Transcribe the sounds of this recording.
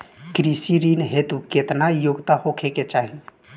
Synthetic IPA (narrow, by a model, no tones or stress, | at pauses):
kɾisiɾinɦet̪uket̪najoɡt̪ahokʰeket͡ʃaːɦi